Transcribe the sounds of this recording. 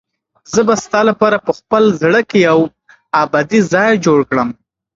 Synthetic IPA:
zəbast̪ɑlapɑɾapəxpəlzɽəkejaw | abɑd̪izɑjd͡ʒoɽkɽəm

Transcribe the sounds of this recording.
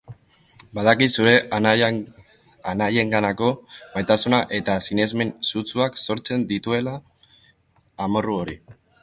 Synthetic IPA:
baðakisuɾe̞ | anaʎe̞ŋɡanako̞majt̪asunaʔe̞t̪asine̞zme̞nsut͡suakso̞ɾt͡se̞nd̪it̪ue̞la | mo̞ruo̞ɾi

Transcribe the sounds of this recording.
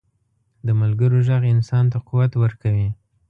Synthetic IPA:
d̪əmalɡəɾoʒaɣɪnsɑnt̪aquwat̪wəɾkawi

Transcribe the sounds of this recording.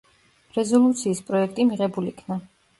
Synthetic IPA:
ɾɛzɔlˠut̪sʰiːspʼɾɔɛk̚ʰt̪ʼimiʁɛbulikʰna

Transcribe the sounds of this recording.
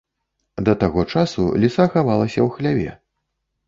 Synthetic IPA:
d̪ɐt̪aɣɔt͡ʂasṵlʲisaxavalˠɐsʲɐwxlʲavʲɛ̰

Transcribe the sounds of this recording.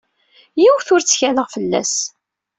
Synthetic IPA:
jiwθʊɾt͡sːçæləʁfəlːæ̰s

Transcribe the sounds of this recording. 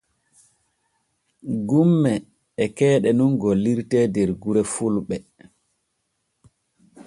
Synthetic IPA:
ɡumːɛː | kɛːɗɛnunɡɔliɾtɛdɛɾɡuɾɛfulɓɛ

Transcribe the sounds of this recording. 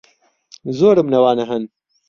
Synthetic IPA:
zoːɾɨmnɐwɑːnɐɦɐn

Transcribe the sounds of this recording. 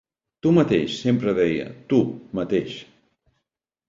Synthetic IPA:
t̪umət̪eʃsempɾəðɛjə̰t̪umət̪eʃ

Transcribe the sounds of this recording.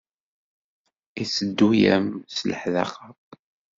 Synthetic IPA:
isəd̪ːujæ̰mslə̰ħðæ̰χət

